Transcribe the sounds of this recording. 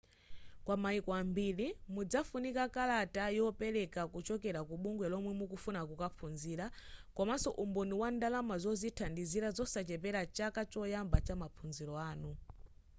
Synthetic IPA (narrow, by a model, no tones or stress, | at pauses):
kwamaikɔambilimud͡zafunikakalatajɔpɛlɛkakut͡ʃɔkɛɾakuɓuŋɡwɛlɔmwɛmukufunakukapʰunziːɾakɔmasɔʔumbɔniwandalamazɔzitʰandiziɾazɔsat͡ʃɛp̬ɛɾat͡ʃakat͡ʃɔjambat͡ʃamapunziɾɔaːnu